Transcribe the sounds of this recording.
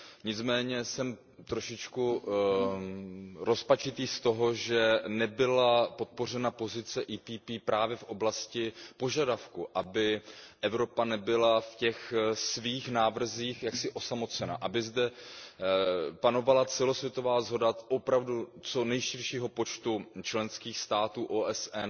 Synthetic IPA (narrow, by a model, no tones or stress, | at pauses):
ɲɪt͡smɛːɲɛsɛm | t̪ɾo̞ʃɪt͡ʃku | ɾo̞spat͡ʃɪt̪iːst̪o̞ɦo̞ʒɛnɛbɪlapo̞t̪̚po̞r̝ɛnapo̞zɪt͡sɛʔiːpiːpiːpɾaːvjɛfʔo̞blascɪpo̞ʒadafkuʔabɪʔɛvɾo̞panɛbɪlafcɛxsviːxnaːvr̩ziːxjaksɪʔo̞samo̞t͡sɛna̰ʔabɪzdɛ | pano̞valat͡sɛlo̞svjɛt̪o̞vaːzɦo̞daʔopɾavdut͡so̞nɛjʃɪɾʃiːɦo̞po̞t͡ʃt̪ut͡ʃlɛnskiːxst̪aːt̪uːʔoːʔɛsɛn